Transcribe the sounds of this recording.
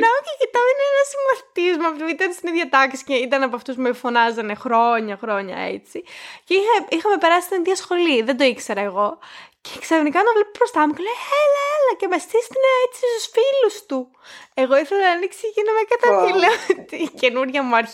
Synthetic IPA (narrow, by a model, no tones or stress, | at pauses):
neoçicit̪ɐineenɐsiɱvɐθt̪izmɐpiit̪ɐnst̪iniðʝɐt̪ɐksi̥ceit̪ɐnɐpoɐft̪uzmefo̞nɐzɐnexɾo̞ɲɐxɾo̞ɲɐ̰ḛt͡siceixɐixɐme̞pe̞ɾɐsist̪iniðʝɐsxo̞liðed̪o̞ikse̞ɾɐeɣo̞ceksefnikɐnd̪ɐvle̞pobɾost̪ɐmucelejelɐelɐcemest̪ist̪ineet͡sist̪usfilust̪u | e̞ɣo̞iθelɐnɐniksiʝinɐmekɐt̪ɐfileot̪ice̞nuɾʝɐmuɐɾ